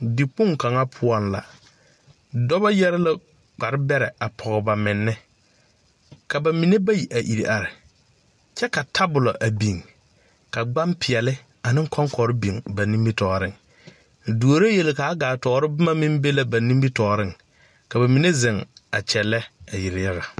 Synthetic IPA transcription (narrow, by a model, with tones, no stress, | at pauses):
dɪ˨k͡pʊ˦ŋka˨ŋa˦pʰʊ˦ɔ˦nla̰˨ | dɔ˦ba˦jɛ˦ɾɪ˦la˦ | k͡pa˨ɾɪ˦bɛ˦ɾɛ˨a˨pʰɔ˨ɣɔ˨ba˨mɪ˨nːɪ˦ | ka˨ba˨mi˨ne˦ba˦ji˨ʔa˨ʔi˨ɾi˨ʔa˨ɾɪ˨ | t͡ʃɛ˦ka˨tʰa˦bʊ˨lɔ˨ʔa˨bi˨ŋ | ka˨ɡ͡ba˦mpʰɪ˨ɛ˨lɪ˦ | a˨nɪ˦ŋ˦kʰɔ˦ŋkɔ˨ɾɪ˦bi˨ŋba˨nĩ˦mbi˦tɔː˨ɾɪ˦ŋ˨ | du˨o˨ɾe˦je˨lɪ˨ka˨a˦ɡaː˨tɔː˨ɾɪ˦bɪ˦ma˦mɪ̃˦mbe˦la˨ba˨nĩ˦mbi˦tɔː˨ɾɪ˦ŋ | ka˨ba˨mi˨ne˦zɪ˨ŋa˨t͡ʃɛ˨lɛ˦a˨jɪ˨ɾɪ˨ja˦ɣa˨